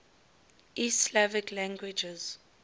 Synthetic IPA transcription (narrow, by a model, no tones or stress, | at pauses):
ʔislavikʰlãŋɡwid͡ʒɛz̥